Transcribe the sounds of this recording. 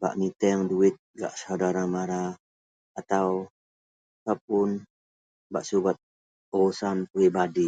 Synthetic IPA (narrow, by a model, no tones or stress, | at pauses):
ba̰ʔmit̪ɛŋduɪt̪̚ɡa̰ʔsawdaɾamaɾaː | t̪aw | sap̚ʊn | ba̰ʔsubat̪̚ | ɔusanpɾibadi